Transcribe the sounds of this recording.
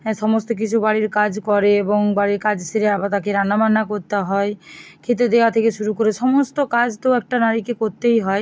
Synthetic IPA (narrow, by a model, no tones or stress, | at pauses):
ʃɔmɔst̪ok̬it͡ʃʰubaɽiɾkad͡ʑkɔɾeeboŋbaɽiɾkad͡ʑseɾeabat̪akeɾanamanːakoɾt̪aɦɔekʰet̪̬ed̪eat̪ʰekeʃuɾukoɾeʃɔmost̪okad͡ʑt̪oɛk̚ʈanaɾikekoɾt̪ejɦɔe